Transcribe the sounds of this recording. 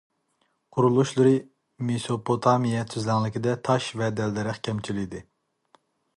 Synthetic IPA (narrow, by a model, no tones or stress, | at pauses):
qʰʊɾulˠuʃlˠɨɾɨ | mesopʰot̪ʰɑmijɛt̪ʰyzlɛŋlˠɪkʲid̪ɛt̪ʰɑʃvɛd̪ɛlːɪɾɪχkʲʰɛmt͡ʃʰilijd̪ɪ